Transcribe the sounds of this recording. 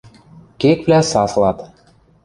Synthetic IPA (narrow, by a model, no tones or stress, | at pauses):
kek̚βlæsɑslɑt̪